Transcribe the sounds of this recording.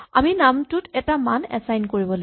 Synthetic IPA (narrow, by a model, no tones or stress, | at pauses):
aminamtʊtɛtamanɛ̰sajnkoɹibɔla